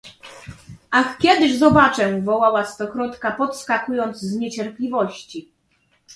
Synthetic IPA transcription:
axkʲɛd̪ɘʐzɔbat͡ʂɛvɔwawast̪ɔxɾɔt̪kapɔt̪skakujɔnd̪zzɲɛt͡ɕɛɾplʲivɔɕt͡ɕi

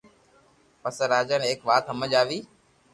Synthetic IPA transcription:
pəsɾaːd͡ʒəneːkʋaːt̪ɦəməʄaːʋiː

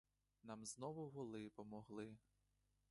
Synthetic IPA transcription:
nɑmznɔʋʊɦɔlˠɪpɔmɔɦlˠɪ

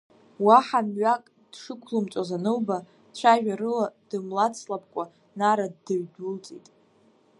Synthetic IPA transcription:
waħamɥakʼ | d̥ʂɨkʷʰlɨmt͡ʃʷʼazanɨwba | t͡ɕʷʰaʒᶣaɾɨlad̥ɨmlat͡sʰlapʰʼkʷʼa | naɾadːɨɥdult͡sʼḭjtʼ

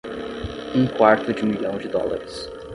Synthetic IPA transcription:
ũkwaɾt̪ʊd͡ʒɪ̃miʎɐ̃w̃d͡ʒɪd̪ɔ̰la̰ɾɪs

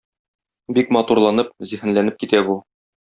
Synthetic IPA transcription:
bikmɑt̪uɾlˠɑnɤp̚zihɘ̆nlænɘp̚kit̪æbu

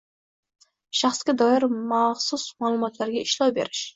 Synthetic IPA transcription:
ʃɑχsɡʲad̪ɒjɪɾmaχsʊsmaːlˠʊmɒt̪ʰlaɾɡʲaɪʃlɑwbe̞̰ɾɪʃ

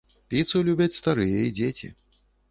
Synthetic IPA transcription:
pʲit̪sɨlʲubʲɐt͡sʲst̪aɾɨjɛid͡zʲet͡sʲḭ

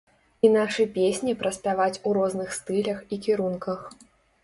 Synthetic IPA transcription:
inaʂɨpʲesʲnʲipɾɐsʲpʲavat͡sʲuɾɔznɨxst̪ɨlʲɐxikʲiɾunkɐx

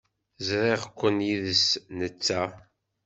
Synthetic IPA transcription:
zɾiʁkʷːənjiðəsnət͡sːæ

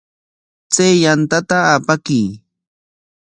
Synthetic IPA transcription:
t͡sajjant̪at̪aapakij

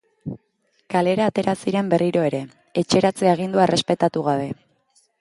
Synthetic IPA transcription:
kale̞ɾaːt̪e̞ɾasiɾe̞mbe̞riɾo̞e̞ɾe̞ | et͡ʃe̞ɾat͡seaeɣ̞ind̪uaerʔe̞spe̞t̪at̪uɣaβ̞e̞

